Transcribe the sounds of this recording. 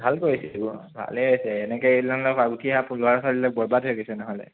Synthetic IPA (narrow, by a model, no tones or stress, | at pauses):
bʱalkoɹisɛbubʱa̰leojsɛːnɛkɔelanlɔkaɡutʰiaplʊaɹsalilɔk̚bɔɹbadʰoɡisɛnɔɦɔlɛ̰